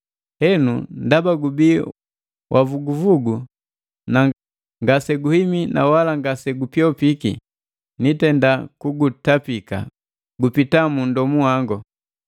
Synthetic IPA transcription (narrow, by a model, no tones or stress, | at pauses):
hɛnundabaɡubi | wʔavuɡuvuɡu | na | ŋɡasɛɡuhimina̰walaŋɡasɛɡupjɔpikḭ | nitɛndakuɡutapika̰ | ɡupitamun̩dɔmuwaŋɡɔ